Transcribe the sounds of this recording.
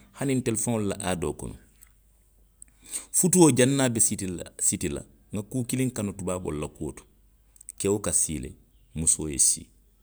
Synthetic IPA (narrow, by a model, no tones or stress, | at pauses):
hanintɛlɛfoŋlula̰ʔaːdo̰ːkɔ̰nɔ̰ | futuod͡ʒanːaːbɛsitila̰ | ŋɡakuːkilĩŋkanotubaːbɔ̰lulakuwo̰tɔ̥ | kɛwokasiːlḛ | musoːjḛsḭː